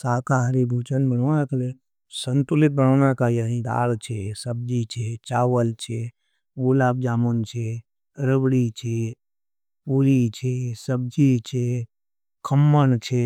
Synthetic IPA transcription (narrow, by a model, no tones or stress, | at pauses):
saːkaɦɾibʱut͡ʃənbənonakele | sənt̪ulɪt̪̚bənənakajəɦĩd̪a̰ːɽt͡ʃʰesəb̚d͡ʒit͡ʃʰet͡ʃaːʋəlt͡ʃʰe | olab̚d͡ʒaːmunt͡ʃʰe | ɾəbɽit͡ʃʰe | puɾit͡ʃʰesəb̚d͡ʒit͡ʃʰe | kʰəmːənt͡ʃʰe